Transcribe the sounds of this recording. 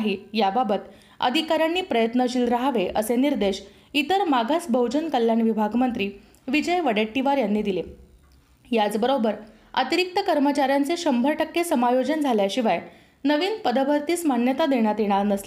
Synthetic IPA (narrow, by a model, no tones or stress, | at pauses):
ɦijababət̪ | ə̰d̪ʱikaɾjanːiːpɾəjət̪nəɕiːlɾaɦaʋeʔəseniɾd̪eɕ | it̪əɾmaɡʱasbʱəwd͡ʑənkəljanʋibʱaɡmənt̪ɾiː | ʋid͡ʑəjʋəɽaʈːiʋaɾjanːiːd̪ile | jat͡sbəɾobəɾ | ə̰t̪iɾik̚t̪əkəɾmət͡ɕaɾjant͡seɕəmbʱəɾʈəkːesəmajod͡ʑənd͡zʱaljaɕiʋaj | nəʋiːnpəd̪əbʱəɾt̪iːsmanjət̪ad̪eɽ̃jat̪jeɽ̃aɾnəsle